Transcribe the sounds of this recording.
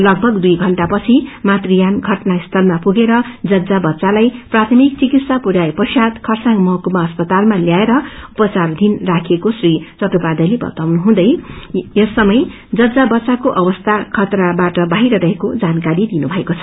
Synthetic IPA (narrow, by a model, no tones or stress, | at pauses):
lʌɡ̚bʱʌɡd̪ujɡʱʌɳʈapʌt͡sʰimat̪rijanɡʱʌʈnaist̪ʰʌlmapuɡeɾʌd͡zʌd͡zabʌtːsalajprat̪ʰʌmik̚t͡sikit̪sapuɾjaepʌsjad̪kʰʌrsaŋmʌɦkumaʌspʌt̪almaljaeɾʌupʌt͡sard̪ʱinrakʰekosrit͡sʌʈupad̪ʌlebʌ̰t̪awnuɦũd̪ʌjjʌsːʌmʌj | d͡zʌd͡zabʌtːt͡sːakoʔʌwʌst̪ʰakʰʌt̪rabaʈʌbaɦiɾʌɾʌɦekod͡zankaɾid̪inubʱʌekot͡sʰʌ̥